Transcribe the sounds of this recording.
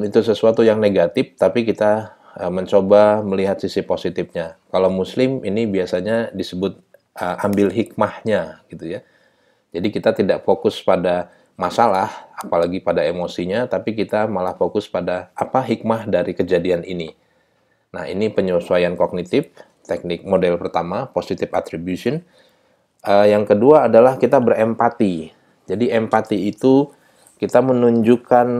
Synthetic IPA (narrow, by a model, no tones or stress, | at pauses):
it̪usəsuat̪ujaŋneɡat̪ɪft̪apikit̪a | əməɲt͡ʃobaməliɦat̪̚sisiposit̪ɪfɲakalawmuslɪminibiasaɲadisəbʊt̪̚ | ʔəambɪlɦik̚mahɲaɡ̥it̪uja | d͡ʒadikit̪at̪idaʔfokʊspada | masalahapalaɡipadaemosiɲat̪apik̬it̪amalahfokʊspadaːpaɦik̚mahdaɾikəd͡ʒadianini | na̰hḭnipəɲosuajankok̚nit̪ɪf | t̪ɛk̚nɪk̚modɛlpərt̪amaposit̪ɪfa̰t̪ɾibjusiʊn | ʔəjaŋkəduaːdalahkit̪abərɛmpat̪i | d͡ʒadiɛmpat̪iːt̪u | kit̪amənuɲd͡ʒukan